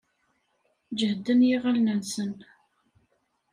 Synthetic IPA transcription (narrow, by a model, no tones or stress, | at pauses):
d͡ʒəhd̪ːənjiʁalnənsən